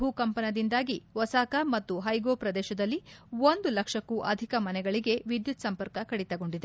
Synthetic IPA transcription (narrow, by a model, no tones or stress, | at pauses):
ɦukɐmpɐnɐd̪ind̪aːɡiʋɐsaːkɐmɐt̪ːuɦɐjɡoːpɾɐd̪ɛːʃɐd̪ɐlːiond̪ulɐkʂɐkːuːʔɐd̪ʱikɐmɐnɛɡɐɭiɡe̞ʋid̪jut̪sɐmpɐɾkɐkɐɽit̪ɐɡo̞ɳɖid̪e